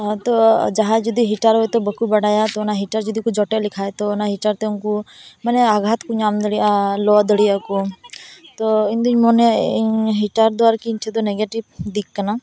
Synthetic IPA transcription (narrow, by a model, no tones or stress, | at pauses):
t̪ɔd͡ʒaɦad͡ʒɔd̪iɦiʈaɾɦojt̪ɔbəkubəɽajat̪ɔnaɦiʈaɾd͡ʒɔd̪ʱikud͡ʒɔʈelikʰajt̪ɔːnaɦiʈaɾt̪ɛunkumanɛaɡʱat̪kuɲamd̪əɽialɔd̪əɽijaku | t̪ɔind̪iɲmɔneiɲɦiʈaɾd̪ɔaɾkiɲt͡ʃʰɛd̪ɔneɡeʈibd̪ikːəna